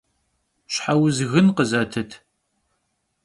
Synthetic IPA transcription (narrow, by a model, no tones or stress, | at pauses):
ɕħawʊzɣɨnqəzɐtʰɨtʰ